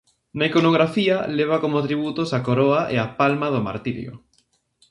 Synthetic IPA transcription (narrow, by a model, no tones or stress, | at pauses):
naikonoɣ̞ɾafiɐleβ̞akomot̪ɾiβut̪osakoɾoaʔḛapalmaðʊma̰ɾt̪iɾj̰o̰